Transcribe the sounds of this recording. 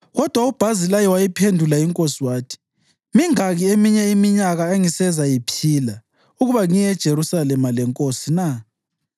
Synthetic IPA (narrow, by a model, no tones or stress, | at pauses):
ɣɔd̥ʱwaub̥ʱazilajɔwajipʰendʱulaiŋkʼosiwaːtʰi̥ | miŋaɣiemiɲɛimiɲaɣaeŋisɛzajipʰila | uɣuβaŋijɛd̥ʒ̥ʱeɾusalɛmalɛŋkʼosina